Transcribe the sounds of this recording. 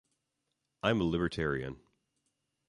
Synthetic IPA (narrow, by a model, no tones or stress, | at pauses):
ʔãɪ̃məlˠɪbə˞tʰɛɹiɨ̰̃n